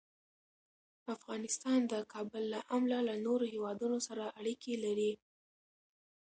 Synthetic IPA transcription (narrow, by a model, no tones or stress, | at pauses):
afɣɑnɪst̪ɑnd̪əkʰɑbəlːaʔamlalanoɾohewɑd̪unosaɾaʔaɽikʰelaɾi